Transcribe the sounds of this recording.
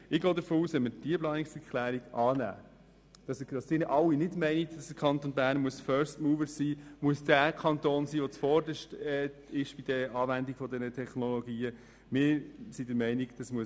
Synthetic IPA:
ɪɡ̥oːd̪əɾfoːuːsʋɛnmːəd̥iəplɑːnɪksɛɾkʰlæːɾiɡɑːnæ̰ː | d̥ɑsdɑsdɪnəʔɑlwːinɪdmɛɪnitd̥ɑsd̥əkʰɑnt̪onbæːɾnmuəsfœːɾstmuːvəɾsiːmuəsd̥ækʰɑnt̪oːnsiːʋɔt͡sfɔɾdəʃtɛː | ɪʃb̥id̥əɑːvændiɡ̥fɔd̪ɛnətʰɛχnɔloɡiːə | mɪːɾsidəɾmɛɪniɡd̥ɑsmuə

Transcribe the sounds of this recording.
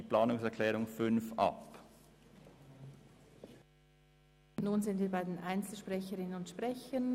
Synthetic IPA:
plaːnʊŋsɛɐkʰlɛːʁʊŋfʏnfʔɑ̰p | nuːnzɪntv̥iːɐbaɪdeːnʔaɪnt͡sl̩ʃpʁ̥ɛçəʁɪnənʊntʃpʁ̥ɛçən

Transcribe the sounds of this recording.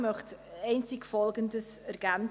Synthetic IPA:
mœχtɛɪnt͡sɪkfɔlˠɡəndəs | ɛɾɡ̥æn

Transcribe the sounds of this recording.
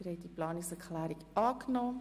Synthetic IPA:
ɾhɛɪdiplɑːnɪksɛɹkχlæːɾikʔɑːknɔː

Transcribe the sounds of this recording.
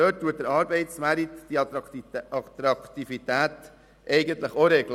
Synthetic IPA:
øːt̚tːuət̚dəɾɑːɾbɛɪtsmæɾit̪d̥i | ɑt̪ɾɑkt̪ifit̪æːt̪ | ʔɛɪɡənt̪ləχoɾɛɡl

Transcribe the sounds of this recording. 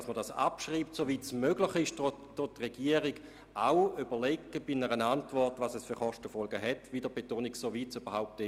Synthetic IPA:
asmədasa̰pʃʁiːp̚tsovitsmøɡlɪχɪʃdod̥otʁeɡ̥iəʁiɡ | awybəleɡːəb̥inəʁənantvɔʁtʋasɛsfyʁχɔʃtəfɔlɡəɦɛtvidəbetoːniksovitsyb̥ɐɦaʊp̚tɛ

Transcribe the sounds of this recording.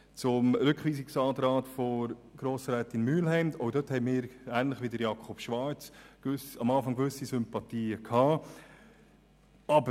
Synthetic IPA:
t͡sʊmɾʏkχʋiːsɪksɑːdɾɑːtfɔɾɡ̥ɾoːsɾɛːt̪ɪnmyːlɦɛɪmt̪ɔʊdøthɛɪmɪːɾæːnlɪχʋidəɾjɑːkʰχɔpʃʋɑɾt͡sɡ̥ʏsɑmɑːfɑŋɡʋʏsisʏmpɑt̪iːəkʰhɑː | ɑbə

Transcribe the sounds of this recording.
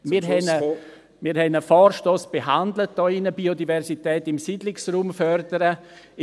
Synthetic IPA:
miɾɦɛnə | miːɾhɛnəfɔːɾʃtoːsb̥eɦandlət̚d̥ɔːɪnəbiodivɛɾsitɛːtɪmsidlɪksruːmfœrdəɾə

